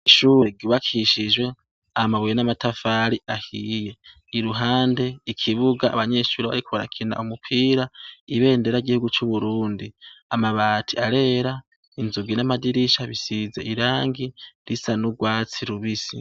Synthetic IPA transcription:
iʃuːɾeɡiβakʰiʃiʒwe̞ | amaβujenamatafaɾiahije̞ | iɾuɦaːnde̞ikʰiβuɡa̰ːβaɲe̞ʃuːɾeβa̰ɾikuβaɾa̰kʰina̰ʔumupʰiːɾaiβe̞ːnde̞ɾaiɡihuɡut͡ʃuβuɾuːndiamaβaːtʰiaɾe̞ɾa | inzuɡinamadiɾiʃaβisize̞̰ʔiɾaːŋɡiɾisanuɡwaːt͡siɾuβisḭ

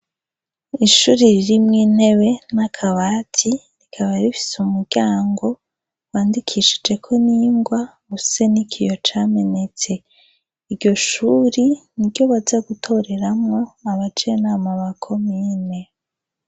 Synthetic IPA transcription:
iʃuɾiɾiɾimŋiːn̥he̞βe̞nakʰaβatʰi | ɾikʰaβaɾifi̥sumuɾɟaːŋɡo̞ | waːndikʰiʃid͡ʒe̞kʰo̞niːŋɡwaɡusenikʰijo̞t͡ʃaːme̞ne̞t͡se̞ | iɾɟo̞ʃuɾiniɾɟo̞βazaɡutʰo̞ɾe̞ɾamŋo̞aβat͡ʃenamaβakʰo̞miːne

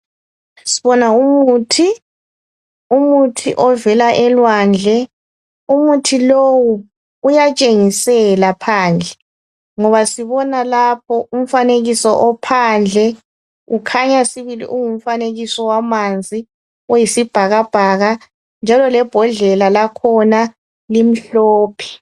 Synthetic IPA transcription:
siβɔnaumuːtʰi | umutʰḭʔɔvɛlaʔɛlwand͡ɮʱɛ | umutʰilowu | ujat͡ʃʼeŋisɛlapʰaːnd͡ɮʱɛ | ŋɔβasiβɔnalap̚ʰɔum̩faneɣisɔʔɔpʰand͡ɮʱɛ | ukʰaɲasiβilḭʔuŋum̩faneɣisɔwamand͡zʱi | ɔjisib̥ʱaɣab̥ʱaɣa | nd͡ʒʱalɔlɛb̥ʱɔɮɛlalakʰɔna | lim̩ɬɔːpʰɛ̥

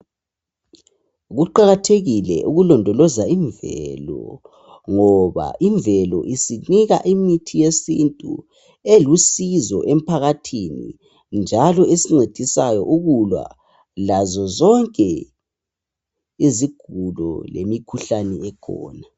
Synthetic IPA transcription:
ɣuǃaɣatʰeɣilɛ̰ʔuɣulɔndʱɔlɔzaiɱvɛ̰lɔ | ŋɔβa̰ʔiɱvɛlɔ̰ʔisiniɣa̰ʔimitʰijesintʼṵ | elusizɔ̰ʔem̩pʰaɣatʰinḭ | nd͡ʒʱalɔesiŋ͡ǀed̥ʱisajɔ̰ʔuɣulwa̰ | lazɔzɔŋkʼɛ | iziɡ̥ʱulɔ̰lḛmikʰuɬanɛɛkʰɔ̰ːna

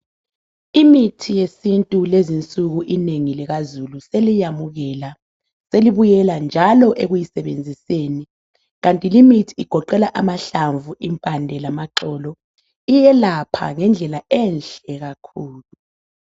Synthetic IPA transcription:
imitʰijesintʼulezint͡sʼuɣuʔineŋilɛɣazuluselijamuɣɛla | seliβujɛland͡ʒʱalɔʔeɣujisɛβend͡zʱiseni | ɣantʼilimitʰiːɡ̥ʱɔǃɛlaʔamaɬaɱvʱuʔimpʼandʱɛlamaǃɔlɔ | ijɛlapʰa̰ŋɛnd͡ɮʱɛlaɛnɬɛɣakʰuːlu

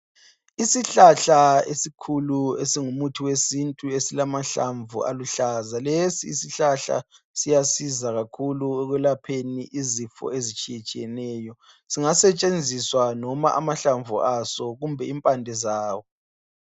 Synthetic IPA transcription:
isiɬaɬaesikʰuluesiŋumutʰiwesintʼuesilamaɬa̰ɱvṵa̰luɬazalesiːsiɬaɬa̰ | sijasizaɣakʰuluɛɣwɛlapʰeniʔizifɔ̰ezit͡ʃʼijit͡ʃʼijɛnɛːjɔ | siŋasɛt͡ʃʼend͡zʱiswanɔma̰ʔa̰maɬaɱvʱṵasɔɣumbʱɛimpʼandʱɛzaːwɔ

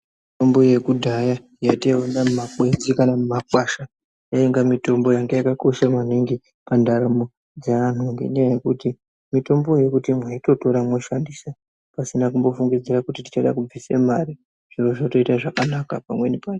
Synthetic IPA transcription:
mito̞mbo̞je̞kudʱaja | jatewanamumakwe̞nzikanamumakwaʃa | jaeŋɡamito̞mbo̞jaŋɡejakako̞ʃamaniŋɡi | pandaɾamo | d͡zeʋan̤uŋɡḛɲajaje̞kuti | mito̞mbo̞je̞kutimwaito̞to̞ɾamwoʃandisa | pasinakumbo̞fuŋɡid͡ziɾakutiti̥t͡ʃaɗakub͡visemaɾi | ʐ̥iro̞ʐato̞itaʐakanakapamwe̞nipan

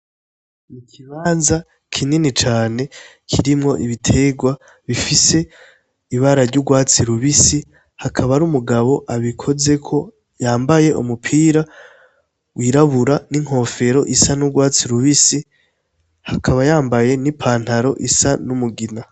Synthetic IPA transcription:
ikʰiβaːnza | kʰininit͡ʃaːne̞ | kʰiɾimŋo̞ʔiβitʰe̞ɡwa | βifise̞ | iβaɾaɾɟuɡwaːt͡siɾuβisi | hakʰaβaɾumuɡaβo̞ʔaβikʰo̞ze̞kʰo̞ | jaːmbaje̞ʔṵmupʰiːɾa | wiːɾaβuɾaniŋ̥ho̞ːfe̞ɾo̞ʔisanuɡwaːt͡siɾuβisi | hakʰaβajaːmbaje̞nipʰaːn̥haɾo̞ʔisanumuɡina

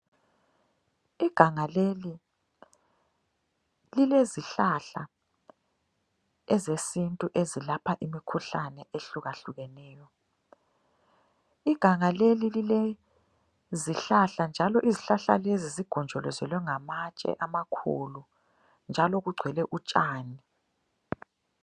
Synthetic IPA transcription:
iɡ̥ʱaŋaleli | lileziɬaɬa | ɛzesintʼuʔezilapʰaʔimikʰuɬanɛʔeɬuɣaɬuɣɛnɛːjɔ | iɡ̥ʱaŋalelilile | ziɬaɬand͡ʒʱalɔʔiziɬaɬa̰leziziɡ̥ʱɔnd͡ʒʱɔlɔzɛlwɛŋamat͡ʃʼɛ̰ʔamakʰṵlu | nd͡ʒʱalɔɣuɡ͡ǀʱwɛlɛʔut͡ʃʼaːni

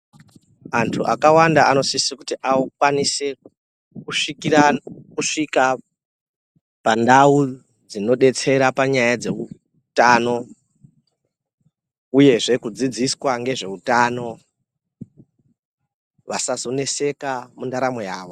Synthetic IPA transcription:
antʰuʔakawandaano̞sisikutiʔaukwanise̞ | kuʂikiɾakuʂika | pandau | d͡zino̞ɗe̞t͡se̞ɾapaɲajad͡ze̞u | taːno̞ | uje̞ʐe̞kud͡zid͡ziswaŋɡe̞ʐe̞utano̞ | ʋasazo̞ne̞se̞kamundaɾamo̞jaːʋo̞

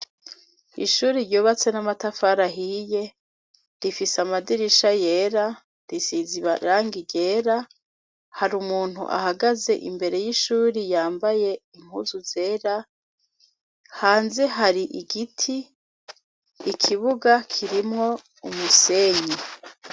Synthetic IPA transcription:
iʃuːɾiɾjoːβat͡se̞namatafaɾaɦiːje̞ | ɾifisamadiɾiʃaje̞ːɾa | ɾisiziβaɾaːŋɡiɟeːɾa | haɾumuːn̥hṵʔa̰haɡaze̞̰ʔḭmbe̞ɾe̞jiʃuːɾijaːmbaje̞iŋ̥huzuzeːɾa | haːnze̞ɦaɾiʔiɡitʰi | kʰiβuɡakʰiɾimŋo̞ | umuse̞ɲi

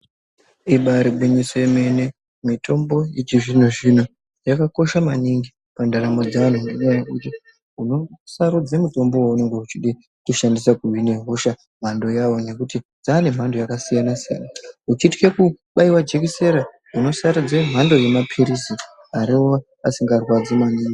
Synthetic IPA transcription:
iɓaɾiɓʱwiɲisojeme̞ne̞ | mito̞mbo̞jit͡ʃiʐin̤uʐin̤o | jakako̞ʃamaniŋɡi | pandaɾamo̞d͡zaʋan̤uneɲajakut͡ʃi | uno̞saɾud͡zemuto̞mbo̞waune̞ŋɡe̞ut͡ʃiɗi | tuʃandisakuwine̞ɦoʃa | m̤ando̞jawo̞ɲe̞kutid͡zaːne̞m̤ando̞jakasijanasija̰naut͡ʃiti̥kekuɓaiwad͡ʒek̬ise̞ɾa | uno̞saɾud͡zem̤ando̞je̞mapʰiɾisi | aɾio | asiŋɡarwad͡zimaniːŋɡi

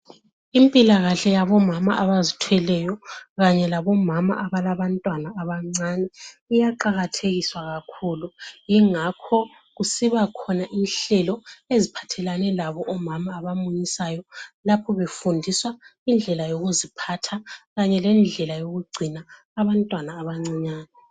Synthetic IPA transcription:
impʼilaɣaɬɛjaβɔmama̰ʔaβazitʰwɛlɛjɔɣaɲɛlaβɔmama̰ʔaβalaβantʼwanaːβaŋ͡ǀanɛijaǃaɣatʰeɣiswaɣakʰuːlujiŋakʰɔ | ɣusiβakʰɔnaʔinɬɛlɔezipʰḁtʰɛlanɛlaβɔʔɔmamaːβamujisajɔlapʰɔβefundʱiswaind͡ɮʱɛlajoɣuzipʰatʰaɣaɲɛlɛnd͡ɮʱɛlajoɣuɡ͡ǀʱinaː | βantʼwanaːβaŋ͡ǀiɲaːnɛ

